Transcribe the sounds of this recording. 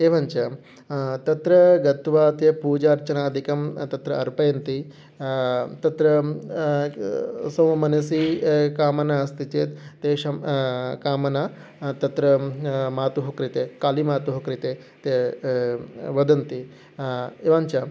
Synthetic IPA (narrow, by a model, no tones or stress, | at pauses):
eːʋaɲt͡ʃɐ | t̪ɐt̪ɾɐɡɐt̪ʋaːt̪jɐpuːd͡ʒaːɾt͡ʃɐnaːɐd̪ʱikɐmt̪ɐt̪ɾɐɐɾpɐjɐnt̪i | t̪ɐt̪ɾɐ | sɐwɐmɐnɐsikaːmɐnast̪it͡ʃeːt̪t̪eːʃɐmkaːmɐna | t̪ɐt̪ɾɐmaːt̪uɦɐkɾit̪eːkaːlimaːt̪uɦɐkɾit̪eː | t̪e | ʋɐd̪ɐnt̪i | eːʋaːɲt͡ʃɐ